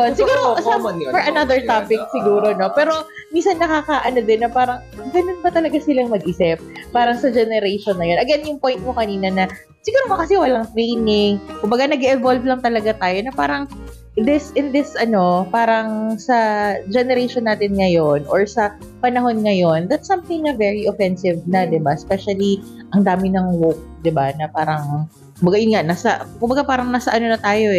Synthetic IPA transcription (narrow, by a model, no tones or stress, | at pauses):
onsɪɡuːɾosɐfɔɹɐnaðɛɹtt̪apɪk̚sɪɡuːɾono̞pɛːɾo̞ | minsɐnːɐkakaʔɐno̞d̪ɪnːɐpaːɾɐŋɡɐnonbɐt̪ɐlɐɡasɪlɐŋmɐɡ̚ʔɪsɪp̚ːaːɾɐŋsɐd͡ʒɛnɛɾejʃonːɐjo̞nɐɡɛnjʊŋpo̞jnt̪̚mokɐniːnɐnɐ | sɪɡuːɾomɐkɐsɛwɐlɐŋt̪ɾejnɪŋkʊmbɐɡanɐɡɛʔɛvolvlɐŋt̪ɐlɐɡat̪aːjo̞nɐpaːɾɐŋ | d̪ɪsɪnd̪ɪsʔɐno̞paːɾɐŋsɐd͡ʒɛnɛɾeʃonːaːt̪ɪnŋɐjo̞nʔoɹsɐ | pɐnɐɦo̞nŋɐjo̞nd̪ɐt̪sːɐmθɪŋnɐvɛɹiʔofɛnsɪvnɐd̪ɪbaspɛʃɐli | ʔɐŋd̪aːmɪnɐŋwok̚d̪ɪbanɐpaːɾɐŋ | kʊmbɐɡajʊnŋaʔnaːsɐkʊmbɐɡapaːɾɐŋnaːsɐʔɐno̞nɐt̪aːjo̞ɛ